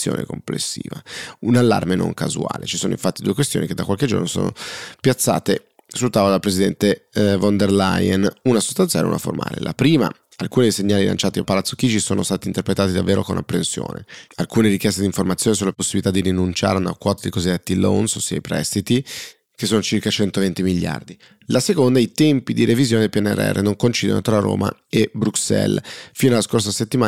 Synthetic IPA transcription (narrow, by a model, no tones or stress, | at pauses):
jo̰ːnḛkomplḛsːḭːvaunalːa̰rmenõ̰ŋka̰zua̰ːlet͡ʃisoːnoiɱfat̪ːid̪uːekwest̪joːniked̪ːakwalked͡ʒo̰rnoso̰ːno̰pjat̪sːa̰ːt̪e | sult̪aːvod̪alpɾezid̪ɛnt̪evɔnd̪erlajenunaso̥st̪anja̰una̰fo̰rmʔa̰ːlḛlʔapɾiːma̰ | alkuːnid̪ejseɲːaːlilʔa̰nt͡ʃaːt̪iapalat̪sːo̥k̟iːd͡ʒisoːnost̪aːt̪int̪erpɾet̪aːt̪id̪avːeːɾokona̰pːɾensjo̰ːnḛalkuːneɾikjɛst̪ed̪iɱformat̪sːjoːnes̬ulːaposːibilit̪ad̪ːiɾinunt͡ʃa̰ːɾeana̰kwɔːt̪ad̪ikozid̪ːet̪ːilo̰nsosːiaipɾɛ̰st̪it̪i | kesːoːnot͡ʃirkat͡ʃɛnt̪ovent̪imiʎːa̰rd̪i | lasekond̪ait̪ɛmpid̪iɾevizjoːned̪elpjɛnɛ̰r̰ːɛ̰rːʔenoŋkont͡ʃiːd̪ḛno̰t̪ɾaro̰ːma̰ | ebɾuksɛ̰lfiːnoalːaskors̬aset̪ːimaː